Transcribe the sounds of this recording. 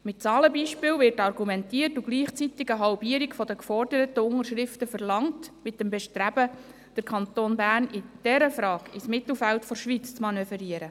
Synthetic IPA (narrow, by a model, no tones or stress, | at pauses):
mɪt̚t͡sɑːləbiːʃpɪːlvɪɾtɑɾɡumɛntiərtuɡ̥liːχt͡sit̪ɪɡəɦɑlbiəɾikfɔd̥əkfɔrd̥əɾətəʊŋəɾʃɾɪftəfərlɑŋtmɪt̚dɛmbɛʃtɾæb̥ə | d̥əɾkʰɑnt̪oːnbæːrnɪd̥ɛɾəfɾɑːkɪsmɪt̪l̩ˠfæltfɔɾʃʋiːt͡st͡smɑnøːfəɾiəɾə